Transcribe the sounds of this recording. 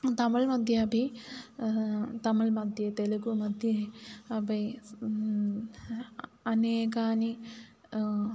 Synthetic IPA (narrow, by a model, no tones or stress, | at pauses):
t̪ɐmɐɭmɐd̪ʱjɐɐbʱi | t̪ɐmɐɭmɐd̪jɐt̪elɐkumɐd̪jɐɐbɐ | ɐneːkaːni